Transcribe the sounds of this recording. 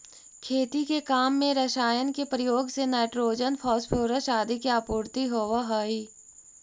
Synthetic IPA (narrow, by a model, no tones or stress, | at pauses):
kʰeːt̪ikekaːmːẽɾɐʃaːjənkepɾəjoːɡsenaːɪʈɾoːd͡ʒənfʰɔːspʰoːɾəʃaːd̪ikiaːpuːɾt̪iɦoːʋaɦoːiː